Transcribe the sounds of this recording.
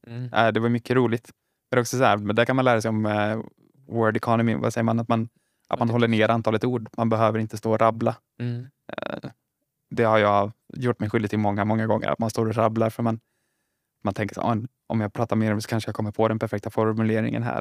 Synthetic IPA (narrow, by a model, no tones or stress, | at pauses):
æ̰ɪd̪ɛvaɾjʏmʏkʰːəɾuːlɪt̪ | ɛd̪ɾɔksɔshæɾmnd̪æɾkʰanmanlæːɾasɛjɔm | wœːɖɛkʰɑnɔmɪva̰sɛjːəmanat̪man | ʔa̰t̪manɦɔlːəɳeːɾant̪ʰɑːlət̪uːɖmanbɛɦøːvəɾɪnt̪əst̪oːɔɾabla | d̪ɛhaɾjɑjʊʈːmɛjɧʏld̪ɪt̪ʰːɪlmɔŋːamɔŋːaɡɔŋːə̰ɾa̰t̪manst̪oːɾɔɾablaɾfœɾman | mant̪ʰɛŋkəʂa̰a̰mɛn | ʔɔ̰mjɑːpʰɾɑːt̪ameːɾɔmsɔ̥kʰanʂəjakʰɔmːəɾpʰɔd̪ɛnpʰæɾfɛk̚t̪afɔɾmʉleːɾɪ̰ŋə̰nɦæ̰ː